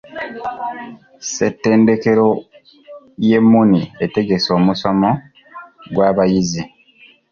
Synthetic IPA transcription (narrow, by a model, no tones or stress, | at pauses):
sḛtːe̞ːnde̞ke̞ɾo̞ | je̞mːuniete̞ɡe̞so̞ːmuso̞mo̞ | ɡwaːβajizi